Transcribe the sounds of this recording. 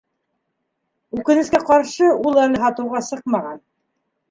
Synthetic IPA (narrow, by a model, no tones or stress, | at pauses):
ʉkɘ̆nɘ̆skæqɑɾʃɤulˠælɘɦɑt̪ɤ̆wʁɑsɤq̚mɑʁɑn